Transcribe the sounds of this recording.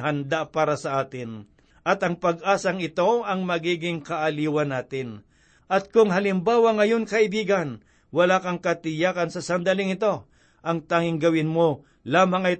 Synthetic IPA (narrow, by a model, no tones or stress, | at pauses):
ɦɐnd̪apaːɾɐsɐʔaːt̪ɪn | ʔɐt̪ɐŋpɐɡʔaːsɐŋɪt̪o̞ɐŋmɐɡiːɡɪŋkɐʔɐliːwɐnaːt̪ɪn | ʔɐt̪̚kʊŋɦɐlɪmbaːwɐŋɐjo̞nkɐɪbiːɡɐn | wɐlaːkɐŋkɐt̪ɪjaːkɐnsɐsɐnd̪alɪŋɪt̪o̞ | ʔɐŋt̪aːŋɪŋɡɐwɪnmo | laːmɐŋɐj